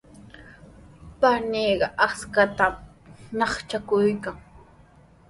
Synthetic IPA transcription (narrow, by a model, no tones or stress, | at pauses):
paneːɢɑʔaskat̪am | nɑχt͡ʃakʊjkaŋ